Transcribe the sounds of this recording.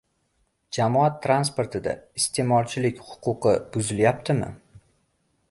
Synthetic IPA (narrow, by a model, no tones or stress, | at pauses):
d͡ʒamɒat̪ʰːɾanspo̞ɾt̪ʰɪd̪a̰ɪst̪ʰe̞mɒlˠt͡ʃʰɪlɪkʲhʊ̥qʊqʰɨb̥ʊzɪljap̚t̪ʰɪmɪ̰